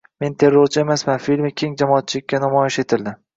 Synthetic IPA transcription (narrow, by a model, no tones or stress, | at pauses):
me̞nt̪ʰe̞ɾːoɾt͡ʃʰɪe̞masmanfilʲmɪkʲʰe̞ŋd͡ʒamɒat̪̚t͡ʃʰɪlɪk̚ʲːanamɒjɪʃe̞t̪ʰɪld̪ɪ